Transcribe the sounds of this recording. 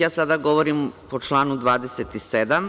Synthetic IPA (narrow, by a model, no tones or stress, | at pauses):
aːsad̪aɡo̞ʋoɾimpo̞t͡ʃlˠaːnud̪ʋaːd̪eset̪ised̪am